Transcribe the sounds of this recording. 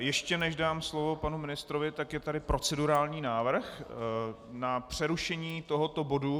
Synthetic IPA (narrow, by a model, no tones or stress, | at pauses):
jɛʃcɛnɛʒdaːmslovo̞panumɪnɪst̪ɾovɪt̪akjɛt̪adɪpɾo̞t͡sɛduɾaːlɲiːnaːvr̩x | napr̝̥ɛɾuʃɛɲiːt̪o̞ɦot̪o̞bo̞du